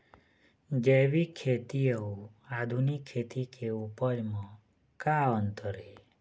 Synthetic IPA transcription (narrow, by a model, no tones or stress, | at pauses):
d͡ʒeʋikʰːet̪iəu | ad̪ʱunikʰːet̪ikʰeupəɾmɔ̃ | kaənt̪əɾe